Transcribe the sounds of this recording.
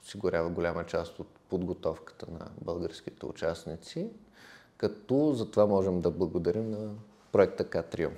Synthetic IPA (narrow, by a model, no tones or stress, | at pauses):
osiɡʊɾʲavəɡolʲamət͡ʃast̪ot̪̚pod̪ɡot̪ɔfkə̥t̪ənɐ̰bəlˠɡəɾsk̟it̪ɛ̰ʊ̰t͡ʃasnit̪si | kɐt̪ɔzɐt̪ovamɔʒɛmd̪ɐblˠɐɡod̪ɐɾimnɐ | pɾoɛk̚t̪əkat̪ɾiṵm